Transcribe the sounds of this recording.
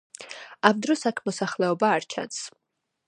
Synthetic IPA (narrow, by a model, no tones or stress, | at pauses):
amd̪ɾɔsakʰmɔsaχlɛɔbaːɾt͡ʃʰa̰ns